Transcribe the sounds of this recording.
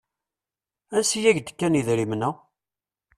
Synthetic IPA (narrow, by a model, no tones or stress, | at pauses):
ænsijæʝd̪ə̥kːæniðɾimnæ